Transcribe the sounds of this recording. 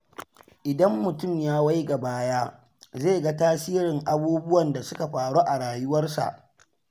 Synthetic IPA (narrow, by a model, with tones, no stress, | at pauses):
ʔɪ˨dɐ˦mːʊ˨tʊ˦˨mjaː˦wa˦jɡa˨baː˦jaː˦ | zeː˦˨ɡa˦taː˦siː˦ɾɪ˨ŋʔa˦buː˦bʊ˦wɐ˨nda˨sʊ˦ka˨ɸaː˨ɽo˦ʔa˨ɽaː˨jʊ˦wɐ˦rsa̰˨ʔ